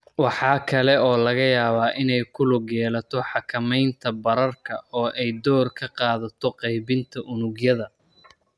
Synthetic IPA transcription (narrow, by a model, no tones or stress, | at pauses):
wɑħɑːkʰɐlɛɔːlɐɣɐjaːβaːʔɪnɛjkʰʊlʊɡjɛːlɐt̪ʰɔħɑkʰɐmɛjnt̪ʰɐbɐɾɐrkʰɐɔːʔɛjd̪ɔːrkʰɐqɑːðɐt̪ʰɔqɑjβɪnt̪ʰɐʔʊnʊɡjɐðɐ